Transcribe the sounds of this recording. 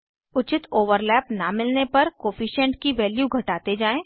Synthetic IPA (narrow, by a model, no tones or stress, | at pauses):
ʊt͡ʃɪt̪oːʋəɾlɛːpnamɪlnepɐɾkoːfiʃɛ̃ɳʈkiʋɛːljuɡʱɐʈaːt̪ed͡ʒaːẽː